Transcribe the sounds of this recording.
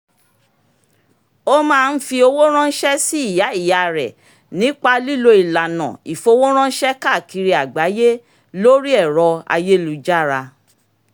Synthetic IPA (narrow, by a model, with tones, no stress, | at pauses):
o˦mãː˦˧n̩˦fi˧o˧wo˦ɾ̃ã˦n̩˦ʃɛ˦si˦i˦˨ja˨˦i˦˨ja˨ɾɛ˨ | nĩ˨˦k͡pa˧li˦lo˧i˨la˨nã̰˨i˨fo˧wo˦ɾ̃ã˦ʃɛ˦ka˦˨ki˧ɾi˧a˨ɡ͡ba˨˦je˦ | lo˦ɾi˦ɛ˦˨ɾɔ˧a̰˧je˦lu˨˦d͡ʒa˦˨ɾa˧